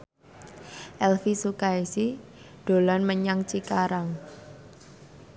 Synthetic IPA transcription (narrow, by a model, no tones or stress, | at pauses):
ʔɛlfisukaisi | ɖ̥olanməɲaŋt͡ʃikaɾaŋ